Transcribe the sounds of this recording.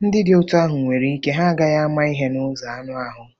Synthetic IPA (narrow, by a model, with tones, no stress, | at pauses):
n̩˦dɪ˦dɪ˨o˦tu˦a˦ɦʊ˨ŋʷe˨ɾi˦i˦ke˦ɦa˦a˦ɡa˦ja˦a˦ma˦i˦ɦe˦nʊ˦za˨a˦nʊ˦a˦ɦʊ˨